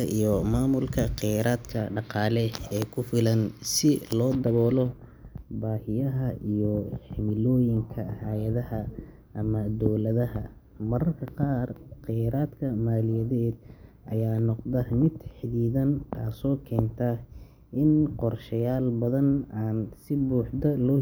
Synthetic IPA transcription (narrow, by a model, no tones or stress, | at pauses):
ɐʔijɔmaːmʊlkʰɐqɪjaɾaːd̪kʰɐɖɑqɑːlɛɛːkʰʊfɪlɐnsɪlɔːd̪ɐβɔːlɔ | baːhɪjɐɦɐʔijɔħɪmɪlɔːjɪŋkʰɐhaːjɐðɐhɐ | ʔɐmɐd̪ɔwlɐðɐɦɐ | mɐɾɐrkʰɐqɑːrqɪjɾaːd̪kʰɐmaːlɪjɐðɛːd̪̚ʔɐ̰jaːnɔqðɐmɪd̪ħɪðiːðɐnkʰaːsɔːkʰɛːnt̪ʰɐ | ʔɪnqɔrʃɐjaːlbɐðɐnaːnsɪbuːħd̪ɐlɔː